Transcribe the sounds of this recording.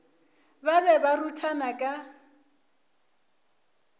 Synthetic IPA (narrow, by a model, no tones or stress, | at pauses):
babɛbarutʰanakʼa